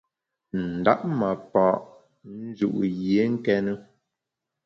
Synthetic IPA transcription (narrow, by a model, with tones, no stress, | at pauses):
n̩˨da˦ʔ̚ma˨pɔː˨ʔ | n̩˦d͡ʒṵ˨ʔu˨jje˨˦ŋ̩˦kɛ˦nə˦